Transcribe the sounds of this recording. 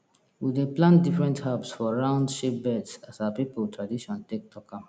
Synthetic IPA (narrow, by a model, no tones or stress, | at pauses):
wideplãndifɹɛ̃nthapsfɔɹãʊ̃ndʃip̚bɛdsasawapipəltʰɹadiʃɔ̃ntek̚tʰɔkʰãm